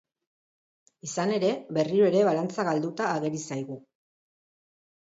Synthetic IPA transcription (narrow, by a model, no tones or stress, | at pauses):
isane̞ɾe̞βe̞riɾoe̞ɾe̞βalant͡saɣald̪ut̪aːɣe̞ɾisajɣu